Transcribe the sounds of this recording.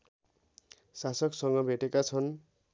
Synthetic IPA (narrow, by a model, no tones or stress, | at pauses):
sasʌksʌŋɡʌbʱeʈekat͡sʰʌn